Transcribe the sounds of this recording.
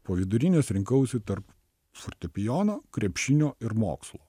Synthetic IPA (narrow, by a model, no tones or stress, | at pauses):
poːʋʲɪd̪ʊɾʲɪnʲeːsɾʲɪŋkɐʊsʲɪt̪ɐɾp | fɔɾʲt̪ʲɛpʲɪjɔnoːkɾʲɛpʲʃʲɪnʲoːɪɾmo̰ːkslˠoː